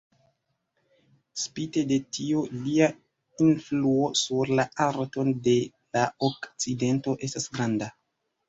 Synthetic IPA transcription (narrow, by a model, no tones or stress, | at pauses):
spite̞de̞tiolia | influo̞suɾlaaɾto̞nde̞ | laokt͡side̞nto̞ʔe̞stasɡɾanda